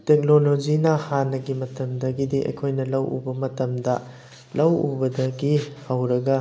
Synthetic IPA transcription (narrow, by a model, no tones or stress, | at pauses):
tek̚nolod͡ʒinɐhanːɐɡimɐtɐmdɐɡidiʔɐ̰jkʰojnɐlɐwʔṵbɐmɐtɐmdɐ | lɐwṵbɐdɐɡihɐwɾɐɡɐ